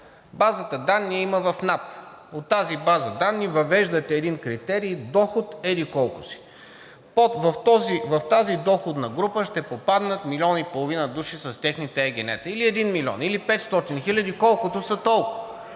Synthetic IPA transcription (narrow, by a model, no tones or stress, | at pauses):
bazət̪əd̪anːiiməvɐfnap | ot̪ːazibazəd̪anːivɐvɛʒd̪ət̪ɛːd̪inkɾit̪ɛɾiːd̪ɔxʊt̪ɛlikɔlˠkʊsi̥ | povɐft̪ɔzivɐft̪azid̪ɔxʊd̪nɐɡɾupəʃt̪ɛpopad̪nət̪milʲɔnipolˠovinəd̪uʃisɐst̪ʲɛxnit̪ɛɛɡʲɛnɛ̰t̪əiliɛd̪inmilʲɔ̰nilipɛt̪st̪ɔt̪inxilʲɐd̪ikɔlˠkʊt̪ʊsɐt̪ɔlˠkʊ